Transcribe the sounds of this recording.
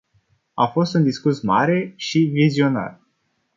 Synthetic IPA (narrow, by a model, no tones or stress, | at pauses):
a̰fo̞st̪und̪iskusmaɾe̞ʃivizio̞na̰r